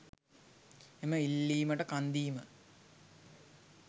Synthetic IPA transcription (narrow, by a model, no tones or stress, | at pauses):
eməilːiːməʈəkand̪iːmə